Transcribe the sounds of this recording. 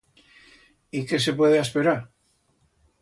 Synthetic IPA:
ike̞s̬e̞pwe̞ðeaspeɾaɾ

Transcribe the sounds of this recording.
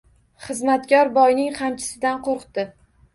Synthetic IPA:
χɨzmat̪kʲʰɒɾbɒjnɪŋqʰamt͡ʃʰɪ̥sɪd̪anqʰoɾqt̪ɪ

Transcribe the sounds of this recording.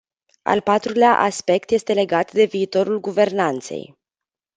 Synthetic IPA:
a̰lpat̪ɾuleaʔaspe̞k̚t̪je̞st̪e̞le̞ɡat̪d̪e̞viːt̪o̞ɾulɡuve̞rnant̪se̞̰j

